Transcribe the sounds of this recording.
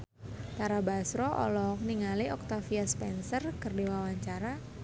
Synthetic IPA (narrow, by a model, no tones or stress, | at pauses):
t̪aɾabasɾɔʔɔ̰lɔk̚niŋaliɔk̚t̪afiaspɛnsərkɨrdiwawaɲt͡ʃaɾa